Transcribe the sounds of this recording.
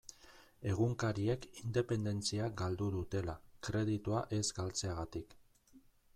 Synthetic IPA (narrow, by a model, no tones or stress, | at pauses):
e̞ɣ̞uŋkaɾie̞kind̪e̞pe̞nd̪e̞nt͡siaɡald̪uðut̪e̞lakɾe̞ð̞it̪uaʔe̞zɡalt͡se̞aɣat̪ik